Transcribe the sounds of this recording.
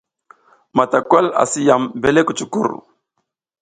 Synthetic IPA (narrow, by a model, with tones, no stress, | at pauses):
ma˨ta˨kwa˦la̰˨si˦ja˨mbe˦le˦ku˨t͡ʃu˨kṵ˦˨ɾ